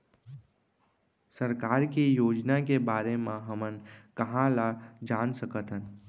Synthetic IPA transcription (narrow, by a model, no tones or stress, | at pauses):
səɾkaːɾkijoːd͡ʒnakebaːɾemãɦəmənkəɦãlad͡ʒaːnsəkət̪ɦən